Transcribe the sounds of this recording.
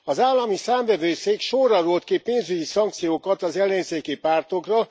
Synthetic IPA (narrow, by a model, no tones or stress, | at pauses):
ɒzaːlːɒmisaːɱvɛvøːseːkʃorːɒɾult̪kipeːnzyɟisɒŋk̚t̪sijoːkɒt̪ɒzɛlːɛɲseːkipaːrt̪o̞krɒ